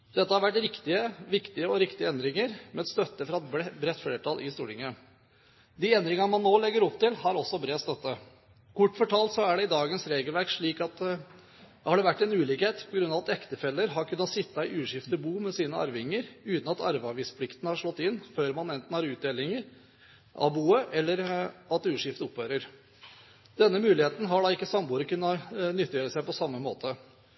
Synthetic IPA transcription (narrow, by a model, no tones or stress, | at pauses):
d̪̥ɛt̪ːəhɑɾʋæʈːɾɪkt̪ɪəʋɪkt̪ɪəɔɾɪkt̪ɪəɛnd̪ɾɪŋəɾmɛɑt̪st̪œt̪ːəfɾɑɛt̪bbɾɛt̪ːfleːʈʰɑlʔɪ̰st̪ṵːʈɪŋːə | d̪iːɛnd̪ɾɪŋəɑmɑnːoːlɛɡːəɾɔpt̪ɪlhɑɾɔsːɔbɾeːst̪œt̪ːə | kʰʊʈːfɔʈʰɑːlt̪sɔæɖɛɪd̪ɑːɡənsɾeːɡəlʋæɾkʂɭiːkɑt̪ | hɑɖɛʋæʈːɛnʉːlɪːkheːt̪pʰɔɡɾʉnːɑʋɑt̪ɛkt̪əfɛlːəɾɦɑɾkʰʉnːɑt̪sɪt̪ːɑɪʔʉːʂɪft̪əbuːmɛsiːnəɑ̰ɾʋɪŋːəɾʉːt̪n̩ɑt̪ʰɑ̰ɾʋɑɾʋiːspʰlɪkt̪nəhɑʂɭɔt̪ːɪnːføːɾmɑnɛnt̪n̩hɑɾʉːt̪̚d̪eːlɪŋəɾ | ʔɑ̰buːəʔɛlːəɾɑt̪ʉːʂɪft̪əʊphøːɾəɾ | d̪ɛnːəmʉːlɪheːt̪n̩ɦɑɖɑɪkːəsɑmbuːɾəkʉnːənʏt̪ːjøːɾəsæɪpɔsɑmːəmo̰ːt̪ʰə